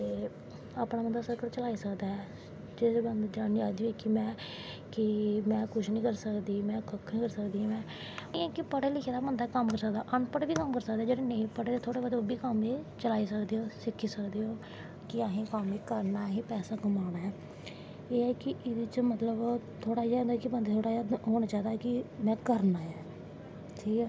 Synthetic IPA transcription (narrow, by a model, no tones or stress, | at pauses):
t̪eː | aːpɳaːbənd̪aːsəɾkəɽt͡ʃəlaːiːsəkd̪aːɦɛː | d͡ʒeɾeːbənd̪d͡ʒaːɽid͡ʒaːd̪iiːkɪmɛ̃ː | kɪmɛ̃ːkʊʃnĩːkəɾsəkd̪iːmɛ̃ːkəkʰnĩːkəɾsəkd̪ĩːmɛ̃ː | ĩːɛːkɪpəʈeːlɪkʰeːd̪aːbənd̪aːkəmkəɾsək̚d̪aːʔəɳpəʈbiːkəmkəɾsəkd̪aːd͡ʒeːɽeːneĩpəʈeːt̪eːt̪ʰoːɽeːbad̪obiːkəmeːt͡ʃəlaːiːsəkd̪eːoːsɪkʰːiːsəkd̪eːɦoː | kɪaːɦĩːkəmeːkəɾnaːɦiːpɛːsaːɡʊmaːnaːɦɛː | eːɛːkɪɪd̪ɪt͡ʃmət̪ləbt̪ʰoːɽaːd͡ʒaːd̪akɪbənd̪eːt̪ʰoːɽaːjːd̪ɦoːñaːt͡ʃaːd̪aːɦɛːkɪmɛ̃ːkəɾnaːɛː | ʈʰiːkː